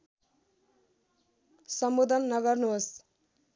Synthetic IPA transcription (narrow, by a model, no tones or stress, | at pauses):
sʌmbud̪ʱʌnːʌɡʌrnuɦos